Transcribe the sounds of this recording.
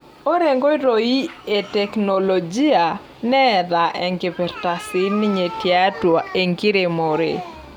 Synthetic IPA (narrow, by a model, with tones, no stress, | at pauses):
o˦ɾɛ˨ŋɡo˦ɪ˦ɾo˨i˦e˨tɛ˨kno˨lo˨d͡ʒi˦a˨ | nɛ˦ða˨ʔɛ˨ŋɡe˨pɛ˨ɾta˨sɪ˦ni˦ɲe˨tja˦twa˨e˨ŋɡi˦ɾe˨mo˨ɾḛ